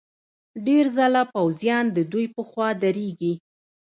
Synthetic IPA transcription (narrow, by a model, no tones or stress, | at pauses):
ɖeɾzalapawzjɑnd̪əd̪ujpəxwɑd̪aɾeɡi